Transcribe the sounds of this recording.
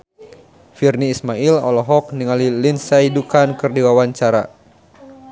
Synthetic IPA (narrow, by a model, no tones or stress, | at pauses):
firniːsmailɔ̰lɔɦɔk̚niŋalilinsaidukankɨrdiwawaɲt͡ʃaɾa̰